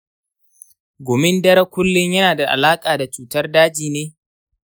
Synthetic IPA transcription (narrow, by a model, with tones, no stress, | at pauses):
ɡʷoː˨mɪ˦ndɐ˦ɾɐ˦kʷʊ˦lːɪ˦ɲjɐ˦naː˨da˨ʔa̰˨laː˦kʼaː˨da˨t͡ʃuː˨tɐ˦rdaː˦d͡ʒiː˨neː˦